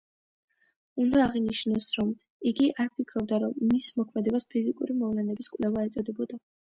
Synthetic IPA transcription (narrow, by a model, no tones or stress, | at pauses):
und̪aːʁiniʃnɔsɾɔm | iɡiʔaɾpʰikʰɾɔb̚d̪aɾɔmːismɔkʰmɛd̪ɛbaspʰizikʼuɾimɔvlɛnɛbiskʼwlɛvaɛt̪sʼɔd̪ɛbɔd̪a